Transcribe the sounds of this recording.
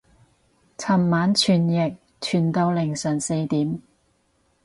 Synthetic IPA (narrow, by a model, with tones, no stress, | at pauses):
t͡sʰɐ˨˩mːaː˨˥nt͡ʃʰyː˨˩njɪ˨k̚ | t͡ʃʰyː˨˩nt̪o˧wlɪ˨˩ŋsœː˨˩ŋse˧jt̪iː˨˥m